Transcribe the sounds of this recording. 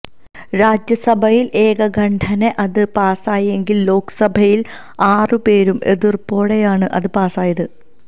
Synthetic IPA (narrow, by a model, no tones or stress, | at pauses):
ɾaːd͡ʑjɐsɐbʱɐjilʔeːɡɐɡʱɐɳɖʰʱɐneʔɐðɨpaːsaːje̞ŋɡillo̞ːkɨ̥sɐbʱɐjil | aːrɨpe̞ːɾume̞ðirpo̞ːɽejaːɳɨʔɐðɨpaːsaːjɐðɨ